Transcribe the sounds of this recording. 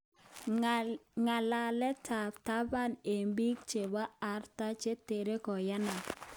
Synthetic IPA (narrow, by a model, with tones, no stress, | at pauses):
ŋa˨la˨lɛ˦tʰa˨ta˦ba˦˨ne˨mbi˦k̚t͡ʃe˨ba˦a˨ɾta˦t͡ʃe˦te˨ɾe˦kɔ˨ja˦na˨